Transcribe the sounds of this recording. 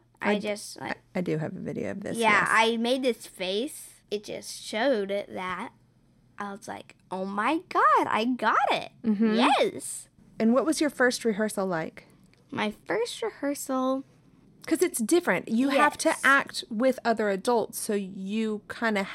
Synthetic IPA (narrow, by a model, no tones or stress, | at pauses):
ʔa̰aɪd͡ʒʌsta̰aɪdɨɨ̰vɨvɪ̰ɾḭo̰ʊʌ̰vðɪ̰sjæa̰ɪmeɪd̪̚ðɪsfeɪs | ɨt̚d̥ʒ̥ʌ̰stʃoʊɾɪt̪̚ðɨt̚ | ʔaɪwʌz̥la̰ɪkʔoʊmaɪɡɑɾa̰ɪɡɑɾɪ̰t̚m̩m̥m̩jɛss | ɨ̃nwʌt̚wʌzjə˞fɜ˞st̚ɹɨɦɜ˞sl̩ˠlaɪk | mʔaɪfɜ˞st̚ɹɨhɜ˞sl̩ˠ | kʰʌzɨtsd̥ɪfɹɨ̃nʔjɨæftʰɨʔæk̚t̚wɪðʌðə˞ɨdʌlˠtsoʊjɨkʰãɪ̃ndɨ